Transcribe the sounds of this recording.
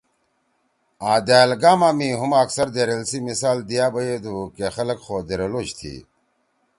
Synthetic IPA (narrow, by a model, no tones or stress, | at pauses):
aːd̪eːlɡaːmaːmiɦumaːksɐɾd̪eɾelsimisaːld̪ijaːbɐjed̪ukexɐlɐkxoːd̪eɾeloːɕt̪ʰḭ